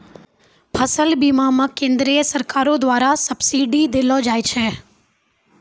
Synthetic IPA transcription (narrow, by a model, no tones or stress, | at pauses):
pʰəsəlbimãmãkẽnd̪ɾiəsəɾkaːɾod̪ʋaːɾasəbsiɖid̪elõd͡ʒaːjt͡ʃʰe